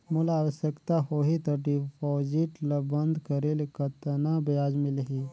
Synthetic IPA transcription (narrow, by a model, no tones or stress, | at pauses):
mulaʋəsjəkt̪aɦoɦit̪əɾɖipɔd͡ʑiʈləbənd̪ʱkəɾelkət̪nabjad͡ʒmilɦi